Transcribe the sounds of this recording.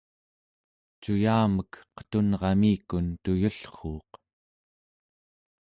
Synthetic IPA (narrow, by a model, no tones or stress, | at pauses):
t͡ʃujaːməkqə̥t̪unʁɑmiːkunt̪ujuɬχoːq